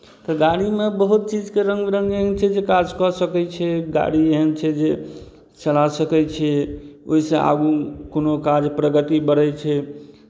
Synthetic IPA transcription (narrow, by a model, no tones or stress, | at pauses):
t̪ɔɡaɽimebəɦut̪̚t͡ʃid͡ʒkeɾəŋɡɾə̃ŋɡeɦənt͡ʃʰɛd͡ʒekad͡ʒkɔsəkɛt͡ʃʰɛɡa̰ɽieɦənt͡ʃʰɛd͡ʒe | t͡ʃəlasəkɛt͡ʃʰɛoɦisẽa̰ɡukonokad͡ʒpɾəɡət̪ibəɾɛt͡ʃʰɛ